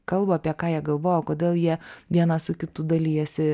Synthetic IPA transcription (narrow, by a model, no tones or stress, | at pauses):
kɐlˠbʊɐpʲiɛkɑːjiɛɡɐlˠʋoːjokoːd̪ʲeːlˠjiɛʋʲiɛnɑsʊkʲɪt̪ud̪ɐlʲiːjɛsʲɪ